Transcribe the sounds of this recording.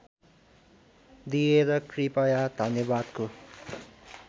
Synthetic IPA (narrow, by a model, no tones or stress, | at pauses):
d̪ijeɾʌkripʌjad̪ʱʌnjʌbad̪ko